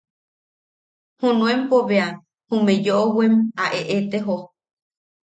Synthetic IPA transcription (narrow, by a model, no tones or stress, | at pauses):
hũnũẽmpoβea | hũmẽd͡ʒoʔowemaʔeʔet̪eɦo